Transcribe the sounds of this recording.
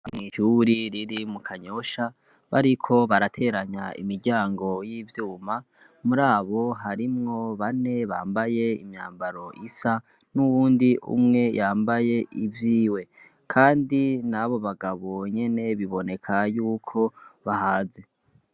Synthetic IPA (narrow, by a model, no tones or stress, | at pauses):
mŋiʃuɾiɾiɾimukʰaɲo̞ʃa | βa̰ɾikʰo̞βaɾatʰe̞ːɾaɲaḭmiɾɟaːŋɡo̞jivjuːma | muɾaːβo̞ɦaɾimŋo̞βane̞βa̰ːmbaje̞ḭmɲa̰ːmbaɾo̞ʔisa | nuβuːndiʔṵmŋe̞jʔaːmbaje̞ʔivjiːwe̞ | kʰaːndinaβo̞βaɡaβo̞ɲe̞ne̞βiβo̞ne̞kʰajuːkʰo̞βahaːze̞